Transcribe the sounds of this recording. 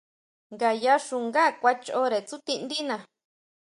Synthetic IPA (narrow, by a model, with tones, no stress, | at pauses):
ŋɡa˨ja˧˦ʂu˧˨ŋɡa˦˨kʷa˧t͡ʃo˧˦ɾe˨t͡su˦t̪i˧nd̪i˦nã˨